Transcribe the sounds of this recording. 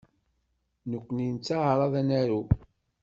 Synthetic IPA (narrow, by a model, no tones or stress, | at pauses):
nəkʷːnint͡sːaʕɾˤɑðænæɾu